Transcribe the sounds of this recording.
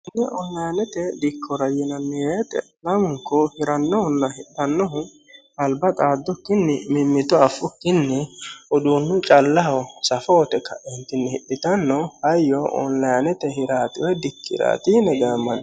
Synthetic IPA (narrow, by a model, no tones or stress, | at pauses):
ɪnːɛʔɔnlɐjnɛt̪ɛd̪ɪkʰːɔɾɐjɛnɐnːɪjeːt̪ɛ̰ | lɐmʊŋkːɔhɪɾɐnːɔhʊnːɐhɪɗɐnːɔɦʊ | ɐlbɐt̪ʼaːd̪ːɔkːɪnːɛmɪmːɪt̪ɔɐfːʊkːɪnːɛʔɔd̪uːnːʊt͡ʃʼɐlːɐɦɐwsɐfɔwɔt̪ɛkːɐ̰ʔɪnt̪ːɪnːɛhɪɗːɪt̪ɐnːɔhɐjːɔʔɔ̰nlɐjnɛt̪ɛɦɪɾaːt̪ɪwɛd̪ɪkʰːɪ̰ɾa̰ːt̪inɛɡaːmːɐn